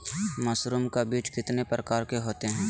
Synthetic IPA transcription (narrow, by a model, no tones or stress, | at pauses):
mɐsɾʊmkabiːt͡ʃkɪt̪nepɾəkaːɾkeɦoːt̪eɦɛ̃ː